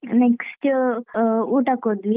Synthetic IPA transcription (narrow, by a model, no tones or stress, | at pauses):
nekst̪ | uːʈakod̪ʋi